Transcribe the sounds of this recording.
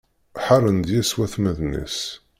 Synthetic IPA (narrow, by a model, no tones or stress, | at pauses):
ħarːənd̪jæswæθmæðnḭs